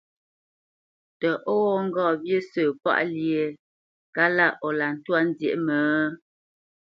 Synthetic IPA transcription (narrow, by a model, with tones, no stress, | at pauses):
tə˨ʔo˦wɔ˦ŋ̩˦ɡɔː˦˨bje˦səː˨pa̰˦ʔlje˨ | ka˦la˦˨ʔɔ˨la˨n̩˨˦twa˦n˦djḛ˨ʔmə˨˦